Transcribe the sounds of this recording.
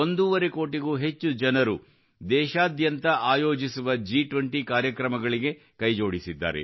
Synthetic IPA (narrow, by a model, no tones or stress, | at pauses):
ond̪uʋɐɾe̞ko̞ːʈiɡuːɦe̞t͡ʃːud͡ʒɐnɐɾu | d̪ɛːʃaːd̪jɐnt̪ɐʔaːjo̞ːd͡ʒisuʋɐd͡ʒiːʈʋɐɳʈikaːɾjɐkɾɐmɐɡɐɭiɡe̞ | kɐjd͡ʒo̞ːɽisid̪ːa̰ːɾḛ